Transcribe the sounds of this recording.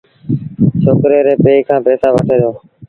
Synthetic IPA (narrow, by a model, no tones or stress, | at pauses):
t͡ʃʰoːkɾeːɾeːpeːkʰãːpeːsaːʋəʈʰeːɾjoː